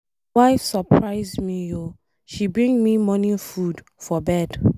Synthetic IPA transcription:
waɪfsɔpʰɹaɪzmio | ʃibɹĩŋmimɔnĩfud | fɔbɛd

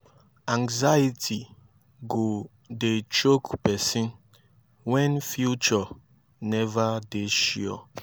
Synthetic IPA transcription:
ãŋzajitʰi | ɡo | det͡ʃokpɛsĩn | wɛ̃nfjut͡ʃɔ | nɛvadeʃiɔ̰

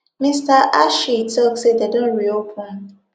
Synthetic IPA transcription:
mistaʔaʃitʰɔksededõnɹiopʰãn

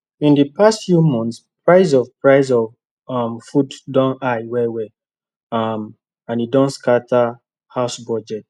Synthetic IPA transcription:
ĩndipastfjumɔ̃nts | pɹaɪzɔvpɹaɪzɔv | ɔmfuddɔ̃naɪwɛwɛ | m | ãnidɔ̃nskatʰa | haʊsbɔd͡ʒɛt̚

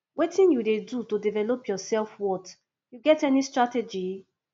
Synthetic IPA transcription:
wetĩnjudedutodivɛlopjɔsɛlfwɔt | juɡɛtɛnistɹatɛd͡ʒi

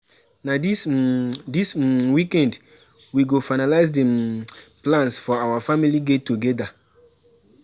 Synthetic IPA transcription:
nadisdiswikɛ̃nd | wiɡofaɪnalaɪsdɛ̃mplãnsfɔawafamiliɡetːuɡɛda

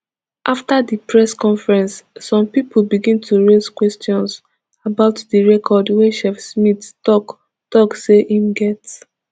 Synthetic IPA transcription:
ʔaftadipɹɛskɔ̃nfɹɛ̃nsːɔ̃mpipolbiɡĩntʰuɹez̥kwɛstjɔ̃ns | abaʊtdiɹɛkʰɔdwɛʃɛfsmittɔk | tɔkseʔĩmɡɛts

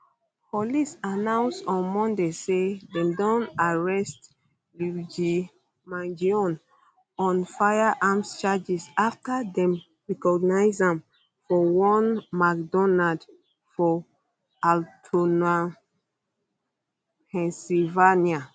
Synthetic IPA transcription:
pʰɔlisanãw̃nsɔ̃nmɔ̃ndesedɛ̃mdɔ̃naɹɛst | lud͡ʒi | mãnd͡ʒiɔ̃n | ɔ̃nfajaʔamst͡ʃad͡ʒisaftadɛ̃m | ɹɛkɔɡnajzãm | fɔwɔ̃nmakdɔnad | fɔ | altʰɔna | pʰɛ̃nsilvania

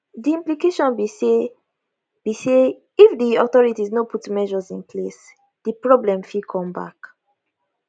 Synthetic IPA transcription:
diĩmplikeʃɔ̃nbie | bise | ifdiɔtɔɹitiznɔpʰutmɛʒɔzĩnpʰles | d̥ipɹɔblɛ̃mfikʰɔ̃mba̰k

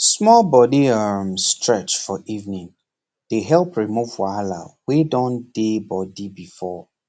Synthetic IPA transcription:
smɔlbɔdiamstɹɛt͡ʃfɔʔivnĩŋ | d̥eɦɛlˠpɹimuv̥fɔala̰widɔ̃nd̥ebɔdibifɔ

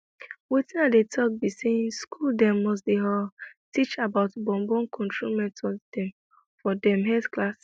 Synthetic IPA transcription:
wetĩnadetʰɔk̚biseĩnskʰuldɛ̃mːɔs̬deɦatit͡ʃabaʊtbɔ̃mbɔ̃nkʰɔ̃ntʰɹomɛ̃ntɔd̥ɛ̃m | fɔdɛ̃mɦɛθklas

